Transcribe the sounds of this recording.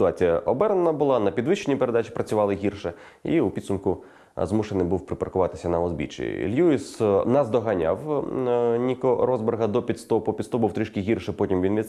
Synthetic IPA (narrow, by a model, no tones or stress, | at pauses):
sɪt̪ʊɑt͡sʲijɐʔɔbɛɾnenɐbʊlˠɑnɐpʲid̪ʋɪʃt͡ʃːenʲːipeɾe̞d̪at͡ʃʲi̥pɾɐt͡sʲʊʋɑlˠɪɦʲirʃɛ | ḭupʲid̪sʊmkʊ | zmuʃenɪbuwpɾɪpɐrkʊʋɑt̪ɪ̥sʲɐnɐɔzbʲḭt͡ʃḭḭlʲjuisnɐzd̪ɔɦɐnʲa̰w | nʲikɔɾɔzberɦɐd̪ɔpʲit̪st̪ɔpɔpʲit̪st̪ɔbuwt̪ɾiʃkɪɦʲirʃɛpɔtʲimʋʲinʋʲi